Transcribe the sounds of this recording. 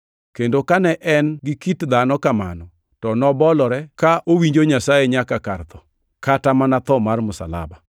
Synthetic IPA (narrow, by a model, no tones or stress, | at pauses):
kendokanɛʔɛnɡɪkitd̪anɔkama̰nɔ | tɔnɔbɔlɔɾɛkaʔowiɲd͡ʒoɲasajeɲakakart̪ɔ | katamanat̪ɔmarmʊsa̰la̰ba